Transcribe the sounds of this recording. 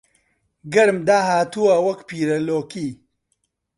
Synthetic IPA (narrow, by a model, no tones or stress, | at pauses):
ɡɐɾmd̪aːɦaːt̪uwawɐkpiːɾɐloːkiː